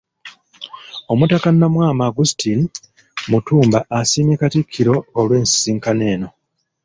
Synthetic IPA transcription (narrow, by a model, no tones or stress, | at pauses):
o̞mutakanːamwaːmaɡustin | mutuːmbaʔasiːnekatikʰːiɾo̞ːlwe̞ːnsi̥siːŋkane̞ːno̞